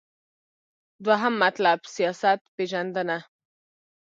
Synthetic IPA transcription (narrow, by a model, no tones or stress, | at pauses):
d̪waɦamːat̪labsijɑsat̪peʒand̪əna